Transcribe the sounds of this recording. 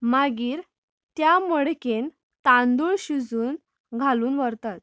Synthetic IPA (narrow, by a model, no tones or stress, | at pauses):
maɡiːɾ | t̪jaməɽken | t̪and̪uɭɕud͡zuːn | ɡʱaluːnʋəɾt̪at̪̚